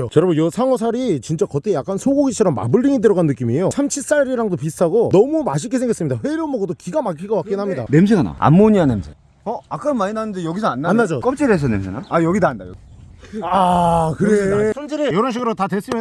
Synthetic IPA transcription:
ot͡ɕʌɾʌbonjʌsʰaŋʌs̬ʰaɾit͡ɕint͡ɕ͈akʌtʰejak͈ansʰoɡoɡit͡ɕʰʌɾʌmːa̰bɯɭːiŋidɯɾʌɡanːɯk͈imiejosʰamt͡ɕʰis͈aɾiɾaŋdopist͈ʰaɡonʌmumaɕ̬ʰik͈e̞sʰe̞ŋɡʌs͈ɯmɲidaɸwe̞ɾjʌmʌɡʌdokiɡamakʰiɡapak͈enɦamɲida̰ne̞ms̬ʰeɡana̰a̰mːoɲiane̞msʰe | ʌak͈ɯmaɲinanɯndejʌɡisʰʌanːaannːad͡ʑok͈ʌp̚t͡ɕ͈iɾes̬ʰʌne̞ms̬ʰenaajʌɡitaːndajʌɡiakɯɾeʌnd͡ʑiɾejʌɾʌnɕ̬ʰiɡɯɾotadwes͈ɯmjʌ

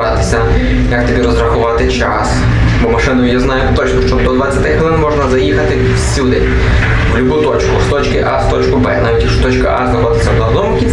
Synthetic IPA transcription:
at̪ɪ̥sʲɐ | jɐkt̪ɔbʲiɾɔzɾɐxʊʋɑt̪ɪt͡ʃa̰s | bɔmɐʂɪnɐjʊjaznajʊt̪ɔt͡ʃnʊʂt͡ʃɔd̪ɔd̪ʋat͡sʲːat̪ɪxʋɪlˠɪnmɔʐnɐzɐjixɐt̪ɪ | fsʲud̪ɪ̰ | ʋlʲʊbujʊt̪ɔt͡ʃkʊ̰st̪ɔt͡ʃkɪʔast̪ɔt͡ʃkʊbɛ̰naʋʲitʲjɐkʂʊt̪ɔt͡ʃkɐ̰ʔa̰znɐxɔd̪ɪt̪ʲsʲɐwnɐd̪ɔmkʲi

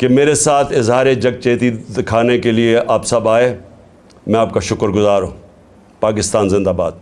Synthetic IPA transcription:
kemeːɾesaːt̪ʰɪzɦaːɾed͡ʒɐɡ̚t͡ʃeːt̪id̪ɪkʰaːnekelieʔaːpsɐbaːeː | mɛ̃aːp̚kaʃʊkəɾɡʊzaːɾɦṵ̃ː | paːkɪst̪aːnzɪ̃nd̪aːba̰ːd̪̚

